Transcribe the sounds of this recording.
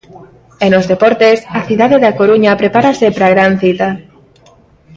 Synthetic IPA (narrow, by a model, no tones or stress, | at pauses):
enozðepɔɾt̪esaθiðaðeðakoɾuɲapɾepaɾasepɾaɣɾanθit̪a